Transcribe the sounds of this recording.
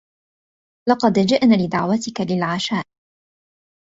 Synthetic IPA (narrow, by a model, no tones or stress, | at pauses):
lɑqɑd̪d͡ʒɪʔnaːlɪd̪aʕwat̪ɪkalɪlʕaʃaːʔ